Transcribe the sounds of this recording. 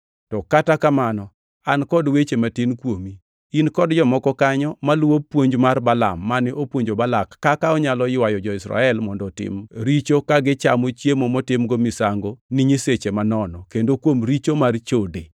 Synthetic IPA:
tɔkatakamanɔ | ankɔdwet͡ʃematɪnkwomiː | nkɔdd͡ʒɔmɔkɔkaɲɔmalwopwoɲd͡ʒmarbala̰mːanɪʔopwoɲd͡ʒobalakːakaɔɲalɔjɪwajɔd͡ʒɔɪsɾa̰ɛlmɔndɔtɪ̰mɾit͡ʃokaɡɪt͡ʃamot͡ʃjemomɔtɪmɡomɪsaŋɡoniɲiset͡ʃemanɔnɔkendokwomɾit͡ʃomart͡ʃode

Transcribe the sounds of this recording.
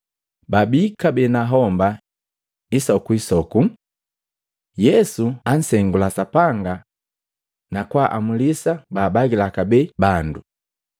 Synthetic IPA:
babikabɛnaɦɔmba | isɔkuisɔku | jɛsuan̩sɛŋɡulasapaŋɡa | nakwaʔamulisabaːbaɡilakabɛbandu

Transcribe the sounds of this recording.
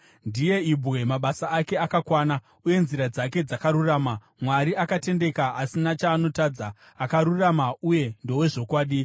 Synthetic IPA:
ndije̞ibwe̞maɓasaake̞akakwaːna | uje̞nziɾad͡zake̞d͡zakaɾuraːma | mwaɾiakate̞nde̞kaasinat͡ʃaːno̞tad͡za | akaɾuramauje̞ndo̞we̞ʐo̞kwaːɗi

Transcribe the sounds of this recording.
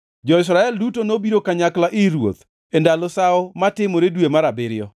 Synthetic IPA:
d͡ʒɔɪs̬ɾaɛldutonobiɾokaɲaklaʔɪɾwo̰t̪ | endalɔsaɔmatɪmoɾedwemaɾabɪɾɪjɔ

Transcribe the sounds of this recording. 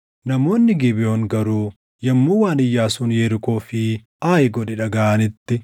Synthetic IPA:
nɐmo̞ːnːɪɡɪbɪjoːŋɡɐɾuː | jɐmːuːwaːnɪjːaːsuːnjɛːɾɪko̞ːfɪ | ʔaːjɪɡɔᶑɛᶑɐɡaɐnɪt̪ːɪ

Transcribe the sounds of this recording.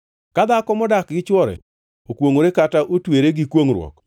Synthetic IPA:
kad̪akɔmɔdakɡɪt͡ʃwɔɾɛ̰ | okwoŋoɾekataʔotweɾeɡɪkwoŋɾwɔ̰k

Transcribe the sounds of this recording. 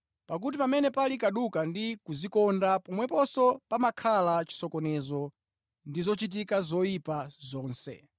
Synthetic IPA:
pak̬ut̬ipamɛnɛpalikaɗukandikuzikɔndapɔmwɛpɔsɔpamakʰalat͡ʃi̥sɔkɔnɛzɔ | ndizɔt͡ʃit̬ikazɔjipazɔːnsɛ̰

